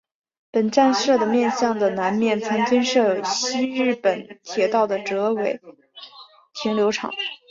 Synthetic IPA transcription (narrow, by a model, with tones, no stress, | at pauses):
pə˨˩nʈ͡ʂa˥˧nsɤ˥˩d̪ə˩mjɛ˥˧nɕjɑ˥˩ŋd̪ə˩na˧˥nmjɛ˥˩nt͡sʰa˧˥nt̪ʰi˥nʂɤ˥˩ɕi˥ɻɻ̩˥˩pə˨˩nt̪ʰjɛ˨˩t̪ɑ˥˩ʊd̪ə˩ʈ͡ʂɤ˧˥we˨˩˦ɪ | t̪ʰi˧˥ŋljo˧˥ʊʈ͡ʂʰɑ̰˨˩˦ŋ